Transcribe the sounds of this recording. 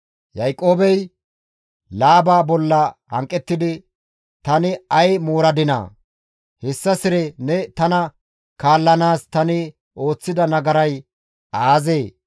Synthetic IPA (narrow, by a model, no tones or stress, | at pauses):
jɐjkʼo̞ːbɛj | laːbaːbɔlːɐhɐ̰ŋkʼːɛt̪ːɪd̪ɪ | t̪ɐnɪɐjmoːɾɐd̪ɪna̰ː | hɛsːɐsɪɾɛnɛt̪ɐnɐ | kaːlːɐnaːst̪ɐnɪ | o̞ːt͡sːɪd̪ɐnɐɡɐɾɐj | aːzeː